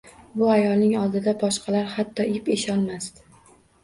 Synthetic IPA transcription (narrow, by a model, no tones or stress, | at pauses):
bʊajɒlnɪŋɒlˠd̪ɪd̪abɒʃqʰɑlaɾhat̪ʰːɒɪpeʃɒlmast̪